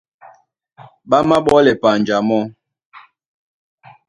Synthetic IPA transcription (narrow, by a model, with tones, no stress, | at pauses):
ɓa˦ma˦ɓɔ˦lɛ˨pa˨n˨d͡ʒa˨mɔ˦